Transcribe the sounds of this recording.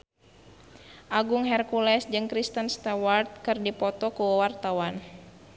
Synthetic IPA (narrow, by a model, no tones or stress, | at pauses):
ʔaɡuŋɦɛrkulɛsd͡ʒɨŋkɾist̪ənst̪awart̪̚kɨrdipɔt̪ɔkuwart̪awan